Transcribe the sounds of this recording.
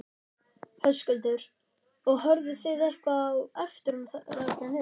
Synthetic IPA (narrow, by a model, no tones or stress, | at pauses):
hœskʏlt̪ʏɾ | ɔɣɦœɾðʏθɪɾɛhkvawɛft̪ʏɾʏmθɾac̪anɪ